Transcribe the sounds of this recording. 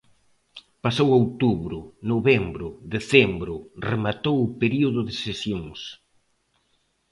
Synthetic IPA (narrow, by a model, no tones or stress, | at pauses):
pasowowt̪uβɾʊnoβɛmbɾʊðeθɛmbɾʊremat̪owʊpeɾioðʊðɪsesjõŋs